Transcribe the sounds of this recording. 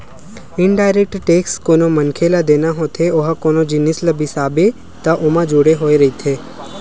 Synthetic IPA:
ɪɳɖaːɪɾek̚ʈʈeːkskoːnomənkʰelad̪eːnaɦoːt̪ʰeoɦakoːnod͡ʒɪnɪsləbʱisaːbe | t̪ɐʔʊmãd͡ʒʊɽeɦoːeɾɐit̪ʰeː

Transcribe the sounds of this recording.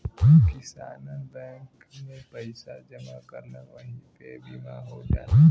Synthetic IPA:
kɪsaːnənbɛ̃ŋk | mẽpɐɪsad͡ʒɐmakɐɾnaʋɐɦĩkebimaɦod͡ʒa̰ːa

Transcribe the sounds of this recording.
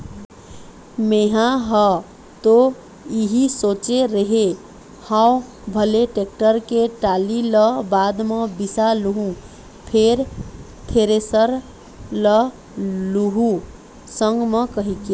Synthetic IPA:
meɦãɦɔ | t̪o | iɦisot͡ʃeɾəɦe | hãw | bʱəleʈek̚ʈəɾkeʈaliləbad̪mebisaluɦũ | pʰeɾ | t̪ʰeɾesəɾ | lə | luɦu | səŋɡmekəɦike

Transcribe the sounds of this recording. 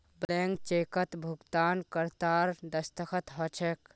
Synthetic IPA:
bleŋɡ̚t͡ʃekət̪bʱuɡt̪ankəɾt̪aɾd̪əst̪əkʰət̪ɦɔt͡ʃʰek

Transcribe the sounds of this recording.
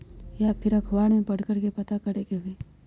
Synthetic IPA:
japʰɪɾɐkʰʋaːɽmẽpɐɽkəɾkepɐt̪akɐɾeːkeɦʊeː

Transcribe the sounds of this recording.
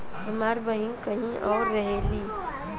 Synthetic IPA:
ɦəmaːɾbəɦĩkəɦĩʔɔːɾːəɦeliː

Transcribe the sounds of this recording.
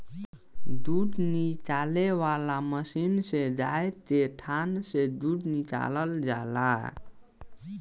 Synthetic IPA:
d̪uɖnit͡ʃalewalaməsinsed͡ʒaet̪eʈʰansed̪uɖnit͡ʃa̰ləld͡ʒa̰la̰

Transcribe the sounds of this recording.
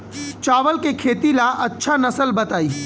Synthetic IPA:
t͡ʃaːʋəlkekʰeːt̪ilaʔɐtːʃʰanɐsəlbɐt̪aːiː

